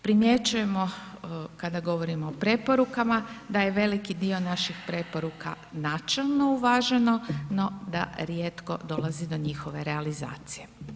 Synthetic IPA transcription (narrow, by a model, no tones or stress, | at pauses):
pɾimje̞t͡ʃuje̞mo̞kad̪aɡo̞ʋo̞ɾimoopɾe̞po̞ɾukamad̪aje̞ʋe̞likid̪io̞naʃixpɾe̞po̞ɾuka̰ | nat͡ʃelˠno̞uʋaʒe̞no̞no̞d̪a̰ɾjet̪ko̞̰d̪o̞lˠazid̪o̞ɲixo̞ʋe̞ɾealiza̰ːt̪sije̞